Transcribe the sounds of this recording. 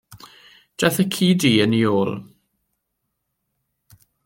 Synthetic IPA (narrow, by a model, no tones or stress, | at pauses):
d̥aθəkʰiːdiːənioːlˠ